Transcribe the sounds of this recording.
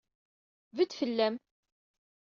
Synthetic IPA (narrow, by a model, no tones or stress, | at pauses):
vət͡s̪ːfəlːæm